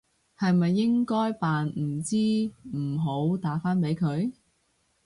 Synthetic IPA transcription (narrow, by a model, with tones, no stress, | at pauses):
hɐ˨jmɐ˨jːɪ˥ŋkɔː˥jpaː˨nm̩˨˩t͡siː˥m̩˨˩ɦo˨˥wt̪aː˨˥faː˥npe˨˥jkʰɵ˨˧ɥ